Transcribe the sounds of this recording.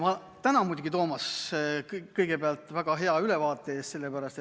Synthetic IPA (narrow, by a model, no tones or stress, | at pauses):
mɑ | t̪ænɑmujd̪ʲuɡ̥it̪o̞ːmɑskkɤjɡ̥e̞beɑlt̪ˑvæɡ̥ɑɦe̞ɑyle̞vɑːt̪ːˑeeːst̪se̞lːepæɾɑst̪e